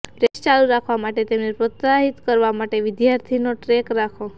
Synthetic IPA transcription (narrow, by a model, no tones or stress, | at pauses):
pɾest͡ʃaluɾakʰʋamaʈet̪emnepɾət̪saɦit̪kəɾʋamaʈeʋɪd̪jaɾt̪ʰinoʈɾekɾakʰo